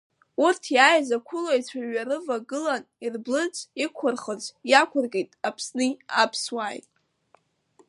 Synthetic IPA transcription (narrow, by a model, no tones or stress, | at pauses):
urtʰjaːjzakʷʰʊlojt͡sʷʰaɥaɾɨvaɡɨlan | irblɨt͡sʼikʷʰʊrχəzʷjakʷʰʊrɡejtʼapʰsnɨapʰswaːjtʼ